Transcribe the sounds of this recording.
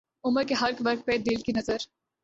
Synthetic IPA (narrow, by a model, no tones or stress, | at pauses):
ʊməɾkeɦɐɾkʋɐɾk̚peːd̪ɪlkinɐzəɾ